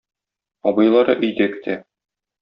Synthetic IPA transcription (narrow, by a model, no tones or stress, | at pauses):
ɒbɤ̆jlˠɑɾɤʔɵ̆jd̪ækɘ̥̆t̪ʰæ